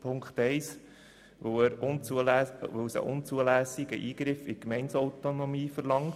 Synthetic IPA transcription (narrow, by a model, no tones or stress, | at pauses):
pʰʊŋkt̪ɛɪs | ʋoəɾʊn | ʋosə̰ʔʊnt͡suəlæːsɪɡ̥ə̰ʔiːɡɾɪfɪkmɛɪnsɔʊt̪onɔmiːfəɾlɑŋ